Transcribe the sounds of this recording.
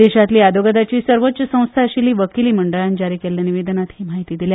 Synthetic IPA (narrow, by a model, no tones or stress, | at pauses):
eɕat̪liːad̪ʱoɡəd̪at͡ɕiːsəɾʋot̪ːɕəsə̃w̃st̪ʰaəɕiliːʋəkiliːməɳɖəɭand͡ʑaɾiːkelːjaniʋed̪ənat̪ɦiːmaɦit̪iːd̪ilj